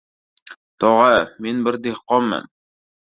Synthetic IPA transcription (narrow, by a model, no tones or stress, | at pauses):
t̪ɒʁæmenbɘɾd̪eχqɒmːə̰m